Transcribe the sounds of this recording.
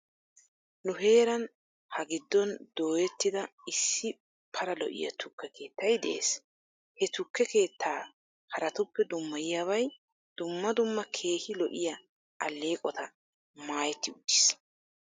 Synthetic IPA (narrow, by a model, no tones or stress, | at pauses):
nʊɦe̞ːɾɐn | hɐɡɪd̪ːɔnd̪̥o̞ːjɛt̪ːɪd̪ɐɪsːɪ | pʰɐɾɐlɔ̰ʔɪ̰jɐ̰t̪ʊkːɛke̞ːt̪ːɐjd̪ɛ̰ʔḛːs | hɛt̪ʊkːɛke̞ːt̪ːaː | hɐɾɐt̪ʊpːɛd̪ʊmːɐjɪjaːβɐj | d̪̥ʊmːɐd̪ʊmːɐkʰe̞ːhɪlɔʔɪjɐ | ʔɐlːe̞ːkʼɔt̪ɐ | maːjɛt̪ːɪʊd̪ːɪs